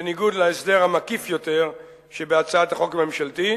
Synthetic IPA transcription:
eniɡud̪laesd̪eʁhamakifjo̞t̪e̞ʁ | ʃebeat͡saat̪aχo̞kame̞mʃalt̪i

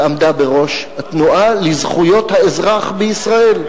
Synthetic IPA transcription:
amd̪abe̞ʁo̞ʃhat̪nuʔalizχujo̞t̪haezʁaχbeisʁae̞l

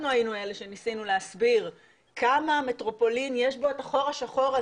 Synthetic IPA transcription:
nuajinue̞le̞ʃe̞nisinuleasbiʁ | kamaːme̞tʁo̞po̞linjeʃbo̞etaχo̞ʁaʃaχo̞ʁa

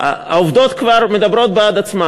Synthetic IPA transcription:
a̰a̰ovd̪ot̪kvaɾmed̪abɾo̞t̪̚bead̪at͡sma

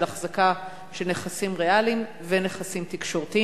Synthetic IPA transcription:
laχzaka | ʃeneχasimʁealim | vene̞χasimt̪ikʃo̞ʁt̪i

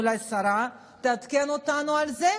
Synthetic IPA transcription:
lajsaɾa | d̪ad̪i̥keanot̪anualize

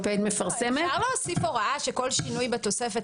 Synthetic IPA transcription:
pet̪mefaʁsemeaʁlosifoʁaʔaʃeko̞lʃinujbet̪o̞sefe̞t

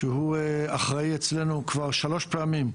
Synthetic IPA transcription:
ʃeɦueaχʁaiet͡sle̞nukvaʁʃalo̞ʃpeamim

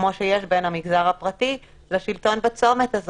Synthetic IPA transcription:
moʃejeʃbenamiɡzaʁhapʁati | leʃilto̞nbat͡so̞metaz

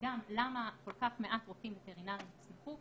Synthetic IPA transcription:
ɡamlamako̞lkaχme̞ʔat̪ʁofimbeteʁinaʁjmismeχu

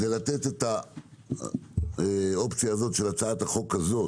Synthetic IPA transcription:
dejlat̪e̞t̪et̪a | o̞pt͡sijaːzo̞t̪ʃe̞lat͡saat̪haχo̞kazo̞

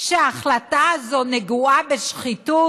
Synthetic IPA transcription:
ʃeaːχlataazo̞neɡuabeʃχitu

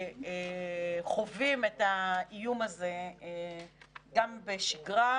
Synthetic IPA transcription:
eχo̞vimetaijumaze̞ | ɡambeʃiɡʁa

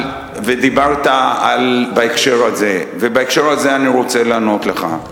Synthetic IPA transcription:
ved̪ibaʁt̪aalbaekʃe̞ʁaze̞vebaekʃe̞ʁazeaniʁo̞t͡se̞laːno̞t̪le̞χa̰

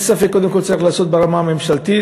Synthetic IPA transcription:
safeko̞d̪emkolt͡saʁiχlaːso̞t̪̚beʁamaːmemʃalt̪i

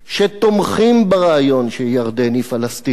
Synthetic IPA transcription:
ʃet̪omχimbaʁaajo̞nʃejaʁd̪enifalast̪i

